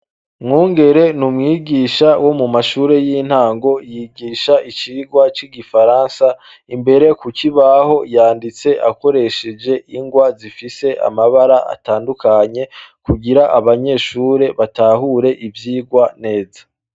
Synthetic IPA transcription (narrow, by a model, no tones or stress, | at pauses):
mŋuːŋɡe̞ɾe̞numŋiːɡiːʃawo̞mumaʃuːɾe̞jin̥haːŋɡo̞jiɡiːʃaʔit͡ʃiːɡwat͡ʃiɡifaɾaːnsa | imbe̞ɾe̞kuciβaho̞jaːndit͡se̞ʔako̞ɾe̞ʃe̞d͡ʒe̞ʔiŋɡwazifise̞ʔa̰maβaɾaʔa̰taːndukaɲe̞kuɡiɾaʔaβaɲe̞ːʃuːɾe̞βataɦuɾe̞ʔivjiːɡwane̞ːzḁ